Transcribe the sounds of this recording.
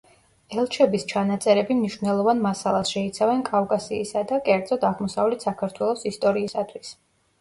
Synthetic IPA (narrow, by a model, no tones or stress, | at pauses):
ɛlˠt͡ʃʰɛbist͡ʃʰanat̪sʼɛɾɛbimniʃvnɛlˠɔvanmasalˠasʃɛit̪sʰavɛnkʼavkʼasiːsad̪akʼɛɾd̪zɔd̪aʁmɔsavlɛt̪ʰsakʰaɾt̪ʰwɛlˠɔsist̪ʼɔɾiːsat̪ʰwis